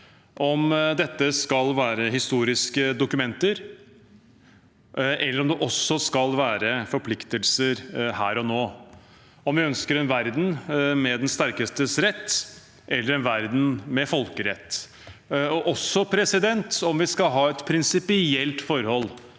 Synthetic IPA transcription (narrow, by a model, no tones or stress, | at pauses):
ʔɔmd̪ɛt̪ːəskɑlʋæːɾəɦɪst̪uːɾɪskəd̪ʊkʉmɛnt̪əɾ | ʔɛlːəɾɔmd̪ɛʔɔsːɔskɑlʋæːɾəfɔɾpʰlɪkt̪əlsəɾhæːɾɔnoː | ɔmʋɪœnskəɾɛnʋæɾd̪n̩mɛd̪ɛnst̪æɾkəst̪əsɾɛt̪ː | ʔɛlːəɾɛnʋæɾd̪n̩mɛfɔlkəɾɛt̪ː | ɔʔɔsɔpʰɾɛsɪd̪ɛnt̪ɔmʋɪskɑlɦɑːɛt̪pʰɾɪnsɪpɪɛlt̪fɔɾhɔlː